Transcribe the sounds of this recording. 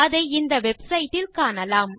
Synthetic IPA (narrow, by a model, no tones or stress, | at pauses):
ɐðɐɪɪnd̪ɐʋɛbsɐɪʈːɪlkaːnɐlaːm